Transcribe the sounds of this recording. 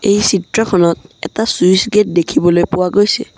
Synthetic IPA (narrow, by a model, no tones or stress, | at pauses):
ejsitɹɔkʰɔnɔt̚ɛ̰tasujsɡet̚dekʰibɔlojpʊwaɡojsɛ̰